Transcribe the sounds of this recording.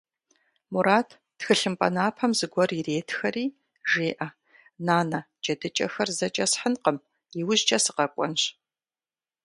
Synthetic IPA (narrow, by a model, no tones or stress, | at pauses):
muɾaːtʰ | txɨɬɨmpʼɐ̰naːpʰɐmzɨɡʷɔrireːtʰxɐriː | ʒeːʔɐ | naːnɐ | t͡ʃʼɐdɨt͡ʃʼɐ̰xɐrzɐt͡ʃʼɐsħənqəm | jiwʊʑt͡ʃʼɐsɨqɐkʷʼɔ̰nɕ